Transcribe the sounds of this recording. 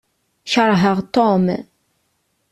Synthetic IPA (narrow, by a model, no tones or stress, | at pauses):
çəɾˤɦəʁt̪om